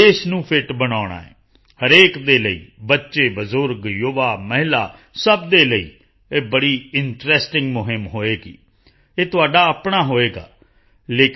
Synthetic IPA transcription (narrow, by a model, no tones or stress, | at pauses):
eːʃnũːpʰɪʈbənaːɽ̃a̰ːɛ̰ː | həɾeːkd̪eːləḭːbətːʃeːbəzʊɾɡjoːʋaːməɦɪla̰ː | səbd̪eːləḭː | eːbəɽiːɪɳʈɾɛːsʈɪ̃ŋɡmʊɦɪmɦoːeːɡḭː | eːt̪ʊaːɖaːəpɳaːɦoːeːɡa̰ː | leːk